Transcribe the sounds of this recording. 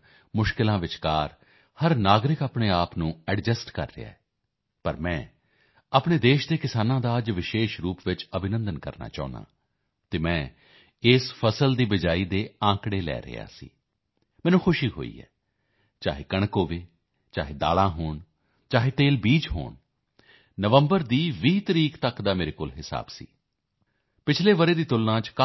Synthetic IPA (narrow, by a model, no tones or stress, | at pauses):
mʊʃkɪlãːʋɪt͡ʃkaːɾ | həɾnaːɡɾɪkaːpɳeːaːpnũːɛɖd͡ʒəsʈkə̰ɾːɪ̰a̰ːɛː | pəɾmɛ̃ː | aːpɳeːd̪eːʃd̪eːkɪsaːnãːd̪aːəd͡ʒʋɪʃeːʃɾuːpʋɪt͡ʃəbʱɪnə̃nd̪ənkə̰ɾna̰ːt͡ʃaːna̰ː | t̪eːmɛ̃ː | ɪspʰəsəld̪iːʋɪd͡ʒaːiːd̪eːãːkɽeːlɛ̰ːɾɪ̰ja̰ːsḭː | mɛːnũːxʰʊʃiːɦo̰ːḭːɦɛ̰ː | t͡ʃa̰ːɦeːkəɳ̃koːʋeː | t͡ʃaːɦeːd̪a̰ːlãːɦoːɳ | t͡ʃaːɦeːt̪eːlbiːd͡ʒɦo̰ːɳ | nəʋəmbəɾd̪iːʋiːt̪əɾiːkt̪əkd̪aːmeːɾeːkoːlɦɪsa̰ːbsḭː | pɪt͡ʃʰleːʋəɾeːd̪iːt̪ʊlnãːt͡ʃk